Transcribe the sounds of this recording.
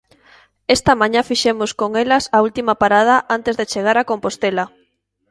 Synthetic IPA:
est̪ɐmãɲafiʃemʊskoŋelɐsault̪imɐpaɾað̞ɐʔant̪ezðet͡ʃeɣ̞aɾakompost̪ela

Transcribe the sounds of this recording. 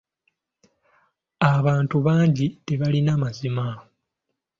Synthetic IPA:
aβaːntuβaːɲɟite̞βalinamazima

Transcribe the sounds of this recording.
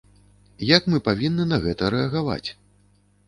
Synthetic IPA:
jakmɨpavʲinːɨnɐɣɛt̪ɐɾɛɐɣava̰t͡sʲ

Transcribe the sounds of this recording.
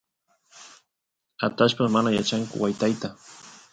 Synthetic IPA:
at̪aʃpasmanajat͡ʃaŋkʊ̰wajt̪ajt̪a

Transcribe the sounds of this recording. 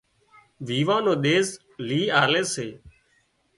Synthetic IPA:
ʋiːʋãːnoːɗ̪eːs | liːaːleːseː

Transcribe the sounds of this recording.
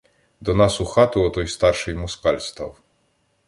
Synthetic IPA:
d̪ɔnasuxat̪uɔt̪ɔjst̪arʂɨjmɔskalʲst̪a̰w

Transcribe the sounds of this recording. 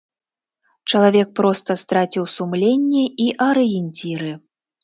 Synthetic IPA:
t͡ʂɐlˠavʲɛk̚pɾɔst̪ɐst̪ɾat͡sʲiwsumlʲenʲːɛiʔɐɾɨjɛnʲt͡sʲiɾɨ

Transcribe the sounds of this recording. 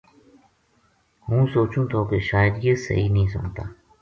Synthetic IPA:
ɦũːsoːt͡ʃũːt̪ʰoːkeʃaːjəd̪jeːsə̰ɦiːnəɦĩːs̬ʊ̰ɳt̪a̰ː

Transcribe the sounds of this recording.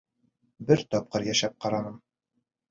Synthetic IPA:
bɘɾt̪ɒp̚qɤɾjæʃæp̚qɑɾɑnɤm

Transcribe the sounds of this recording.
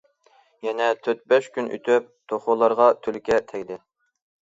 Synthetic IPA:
jɛnɛt̪ʰøt̪̚bɛʃkʲynʔy̰t̪ʰyp̚t̪ʰoχolˠɑɾʁɑt̪ʰylkʲɛt̪ʰɛkʲd̪ɪ

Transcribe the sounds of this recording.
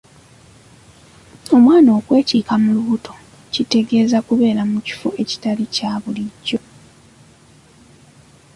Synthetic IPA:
o̞mwaːno̞ːkwe̞ːciːkamuluβutʰo̞ | cite̞ɡe̞ːzakuβe̞ːɾamuci̥foʔe̞ci̥talicaːβuliɟːo̞

